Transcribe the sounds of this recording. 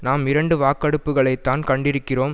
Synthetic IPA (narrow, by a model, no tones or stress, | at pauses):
naːmɪɾɐɳɖɯʋaːkːɐɽɯpːɯɣɐɭɐɪt̪ːaːnkɐɳɖɪɾɯkːɪroːm